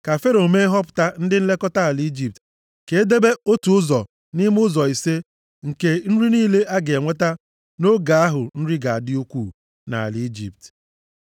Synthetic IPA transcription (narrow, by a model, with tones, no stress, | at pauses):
ka˨fe˦ɾo˨me˦ɦɔ˦p̬ʊ̥˨ta˦n̩˦dɪ˦n̩˦le˦kɔ˦ta˦a˨li˦d͡ʒi˨p̚t | ke˨e˦de˦be˦o˦tu˨ʊ˦zɔ˨ | ni˦m˦ʊ˦zɔ˨i˨se˦ | ŋ̩˨ke˦n̩˦ɾi˦niː˦le˦ʔa˦ɡe˨ŋʷe˦ta˦ | no˦ɡa˨a˦ɦʊ˨n̩˦ɾi˦ɡa˨a˨dɪ˦u˦kʷu˦˨ | na̰˨a̰˨li˦d͡ʒḭ˨p̚t